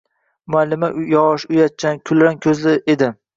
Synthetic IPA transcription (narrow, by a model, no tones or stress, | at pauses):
mʊalːɪmaʔjɒʁʃʊjat̪̚t͡ʃʰankʲʰʊlɾankʲʰɵzlɪʔed̪ɪ